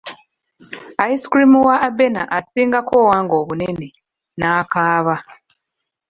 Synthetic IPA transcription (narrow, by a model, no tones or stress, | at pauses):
aiskɾimuwaːbe̞na̰ʔasiːŋɡako̞ːwaːŋɡo̞ːβune̞ne̞ | naːkaːβa